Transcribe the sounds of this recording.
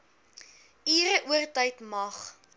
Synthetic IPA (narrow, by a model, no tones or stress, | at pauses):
iːɾəʔuərtəjtmɐχ